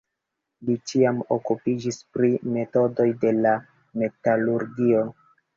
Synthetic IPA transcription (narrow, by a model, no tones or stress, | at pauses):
lit͡ʃiamo̞̰kupid͡ʒispɾime̞to̞do̞jde̞la | me̞taluɾɡio̞